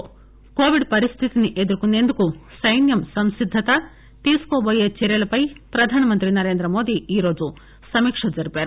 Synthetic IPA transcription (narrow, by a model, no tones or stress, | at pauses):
koːʋiɖpɐɾist̪ʰit̪iniʔed̪uɾukunːend̪ukusɐjnjɐmsɐmsid̪ʱːɐt̪ɐ | t̪iːskoːbojet͡ʃeɾjɐlɐpɐjpɾɐd̪ʱaːnɐmɐnt̪ɾinɐɾeːnd̪ɾɐmoːd̪iiːɾoːd͡ʒu | sɐmiːkʂɐd͡ʒɐɾipeːɾu